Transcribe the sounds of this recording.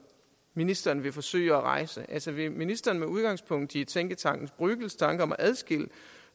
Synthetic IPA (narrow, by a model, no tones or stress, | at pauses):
minisd̥ɐːnʋe̝fɒ̽sø̰ɪɒʁɑ̈ɪ̰səʔælsɒʋe̝minisd̥ɐːnmeuð̞ˠɡ̥ɑ̈ŋspʰɔ̽ŋ̰d̥it͡sʰeŋɡ̥ət͡sʰɑ̈ŋ̰ɡ̥n̩sb̥ʁyɡ̥l̩st͡sʰɑ̈ŋɡ̥əɒ̽mɒʔæð̞ˠsɡ̥el̰ə